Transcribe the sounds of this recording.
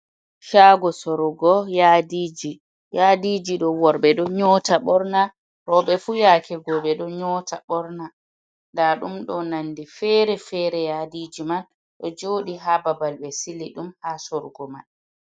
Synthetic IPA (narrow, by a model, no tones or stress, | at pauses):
ʃaɡɔsɔɾɔɡɔjaːdiːd͡ʒi | jadiːd͡ʒiɗɔwɔɾɓɛɗɔɲɔːtaɓɔɾna | ɾɔɓɛfujaːkʰɛɡɔɓɛɗɔɲɔːtʰaɓɔɾna | ndaɗumɗɔnanːdifɛɾɛfɛɾɛjaːdiːd͡ʒiman | ɗɔd͡ʒoːɗiɦababalɓɛsiliɗumhasɔɾɡɔmaɗ